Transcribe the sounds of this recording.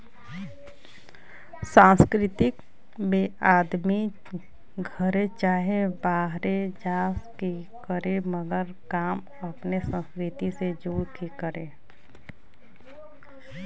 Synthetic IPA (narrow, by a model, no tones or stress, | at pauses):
sãːnskɾɪt̪ɪk | beːʔaːd̪mi | ɡʱəɾet͡ʃaːɦebaːɦɾed͡ʒaːski | kəɾeməɡəɾ | kaːm | əpnesə̃nskɾɪt̪ised͡ʒuːɾkikəɾe